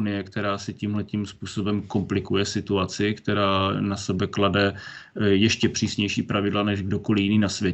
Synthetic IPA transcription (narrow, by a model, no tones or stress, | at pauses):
nɪjɛkt̪ɛɾaːsɪcimɦlɛcimspuːso̞bɛmko̞mplɪkujɛsɪt̪uat͡sɪkt̪ɛɾaːnasɛbɛkladɛjɛʃcɛpr̝̥iːsɲɛjʃiːpɾavɪdlanɛʒɡdo̞ko̞lɪjɪniːnasvjɛ